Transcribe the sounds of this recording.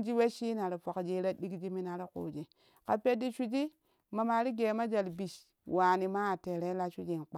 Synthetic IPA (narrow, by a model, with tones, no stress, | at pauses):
d͡ʒi˦we˦ʃi˦na˨ɾe˨fo˨kd͡ʒi˦ɾa˦di˦kd͡ʒi˦mi˦na˨ɾe˦ko̰˨d͡ʒi˨ | ka˨pe˦di˦ʃu˦d͡ʒi˦ | ma˨ma˨ɾi˦ɡe˨ma˦d͡ʒa˨lbi˨ʃ | wa˨ni˨ma˦a˨te˨ɾe˦la˦ʃu˦d͡ʒi˦˨nk͡pa˨